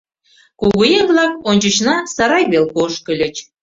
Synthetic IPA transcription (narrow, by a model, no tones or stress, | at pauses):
kuɣujemblɑkonʲt͡ɕə̆t͡ɕnɑsɑɾɑjβelkoʃkə̆lʲə̆t͡ɕ